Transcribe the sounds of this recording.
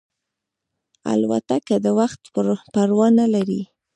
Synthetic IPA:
a̰lwa̰t̪akad̪əwaxt̪paɾwɑnalaɾi

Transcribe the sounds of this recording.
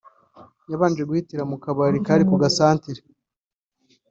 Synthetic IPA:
jaβaːnd͡ʒwe̞ɡuhitiɾamukaβaɾikaɾikuɡasaːntiɾe

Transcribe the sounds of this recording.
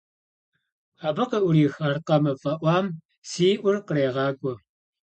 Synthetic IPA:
aːbɐqɐʔʷʊɾiːxaːrqɐmɐfʼɐʔʷɑːm | siːʔʷʊrqəɾeːʁɑːɡʷʼɔ

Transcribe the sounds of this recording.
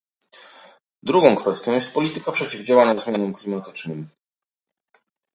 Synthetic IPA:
d̪ɾuɡɔ̃w̃kfɛst̪jɔ̃w̃jɛst̪̚pɔlʲit̪ɘkapʂɛt͡ɕivd͡ʑawaɲazmʲjanɔmklʲimat̪ɘt͡ʂnɘm

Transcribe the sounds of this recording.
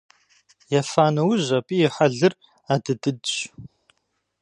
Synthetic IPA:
jɐfaːnɐwʊʑɐpʼiːjɛħaɮɨr | aːdɨdɨdɕ

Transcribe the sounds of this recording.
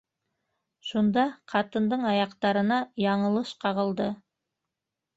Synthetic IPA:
ʃund̪ɑqʰɑt̪ənd̪əɴɑjɑqt̪ɑɾənɑjɑɴəlˠəʃqʰɑʁə̆lˠd̪ə

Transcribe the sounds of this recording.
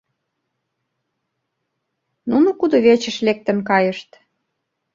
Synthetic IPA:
nunokud̪oβet͡ɕə̆ʃlek̚t̪ə̆nkɑjəʃt̪

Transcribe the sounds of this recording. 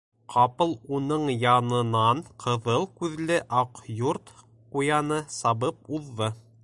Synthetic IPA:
qʰɑpɤlˠunɤɴjɑnɤ̆nɑɴqʰɤ̆ðɤlˠkʉðlɘʔɑqjuɾt̪ | qujɑnɤsɑβɤp̚uðːɤ

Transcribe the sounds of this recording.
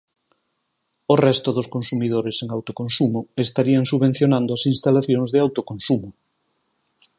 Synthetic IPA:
orɛst̪oðoskonsumiðoɾeseŋawt̪okõnsumʊest̪aɾiaŋsuβen̟θjonãnd̪oasinst̪alaθjoŋzðɪawt̪okonsumʊ

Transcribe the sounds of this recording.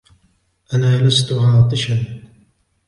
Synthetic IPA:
ʔanaːlast̪ʊʕɑːt̪ˤɨʃan

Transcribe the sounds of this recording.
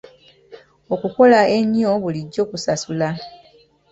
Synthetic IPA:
o̞kuko̞lae̞ɲjo̞βuliɟːo̞ːkusasula

